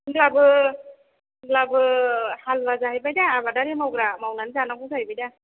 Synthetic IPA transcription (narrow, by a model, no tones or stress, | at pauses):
ɡlabɯ | ŋlabɯhalbazaɦajbajdaːβadaɾemawɡɾamawnanzanakɔsaajbajda